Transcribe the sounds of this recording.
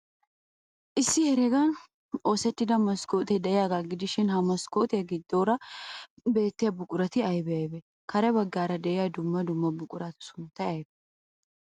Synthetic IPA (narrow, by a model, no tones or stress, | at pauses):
ʔɪsːɪhɛɾɛɡɐn | o̞ːsɛt̪ːɪd̪ɐmɐskoːt̪ɛd̪ɛɪjaːɡaːɡɪd̪ɪʃɪnhɐmɐskoːt̪ɪjɐɡɪd̪ːo̞ːɾɐ | be̞ːt̪ːɪjɐbʊkʼʊɾɐt̪ɪɐjbɛɐjbɛ | kɐɾɛbɐɡːaːɾɐd̪ɛʔɪjad̪ʊmːɐd̪ʊmːɐbʊkʼʊɾɐt̪ɪ̥sʊnt̪ːɐɐjbɛ